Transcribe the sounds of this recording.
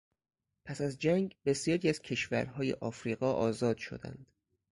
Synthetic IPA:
pʰæsæzd͡ʒæŋɡbe̞sjɒːɾiːæz̥cʰe̞ʃvæ̰ɾɦɒːjḛʔɒːfɾiːɣɒːʔɒːzɒːd̪̥ʃo̞̰d̪æ̰nd̪̥

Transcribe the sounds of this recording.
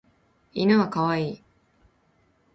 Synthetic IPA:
inaɡakaβaiː

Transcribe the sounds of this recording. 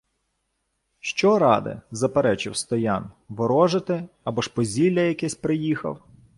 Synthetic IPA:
ʃt͡ʃɔɾɑd̪ɪ̰zɐpeɾɛt͡ʃɪwst̪ɔjɑnʋɔɾɔʒɪt̪ɪ | ɐbɔʃpɔzʲilʲːɐjɐkɛsʲpɾɪjixɐ̰w

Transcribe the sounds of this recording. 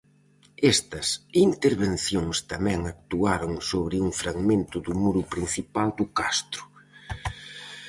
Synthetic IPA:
ɛst̪ɐsint̪eɾβen̟θjoŋst̪amɛ̃ŋak̚t̪uaɾoŋsoβ̞ɾɪuŋfɾaɣmẽnt̪ʊðʊmuɾʊpɾin̟θipald̪ʊkast̪ɾʊ̥

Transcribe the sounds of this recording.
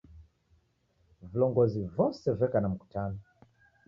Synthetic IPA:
vilɔŋɡɔzivɔsɛvɛkanam̩ku̥tʰanɔ

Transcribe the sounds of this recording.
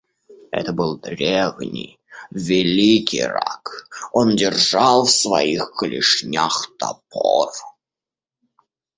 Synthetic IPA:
ɛ̰t̪əbɨlˠd̪ɾʲevnʲɪj | vʲɪlʲikʲɪjra̰kondʲɪrʐɑlˠfsvɐ̰ixkəlʲɪʂnʲaxt̪ɐpʰor

